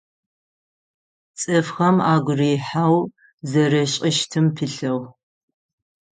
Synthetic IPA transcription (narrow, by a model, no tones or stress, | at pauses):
t͡sʼɨfxɐmaːɡʷʊrijħaːw | zɐɾɐɕʼɪʃtʰɨmpʰɨɬɐw